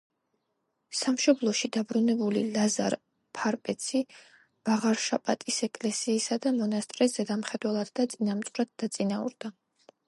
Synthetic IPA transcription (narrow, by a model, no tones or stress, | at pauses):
samʃɔblˠɔʃid̪abɾunɛbulilaza̰ɾ | pʰaɾpʼɛt̪sʰi | b̥aʁaɾʃapʼat̪ʼisɛkʼlɛsiːsad̪amɔnast̪ʼɾɛsz̥ɛd̪amχɛd̪wɛlˠad̪̥d̪at̪sʼinamt̪sʼɾad̪̥̚d̪at̪sʼinaṵɾd̪a